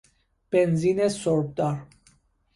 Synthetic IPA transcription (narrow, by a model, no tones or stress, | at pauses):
b̥ɛnzinɛsɔɾb̚d̪aɾ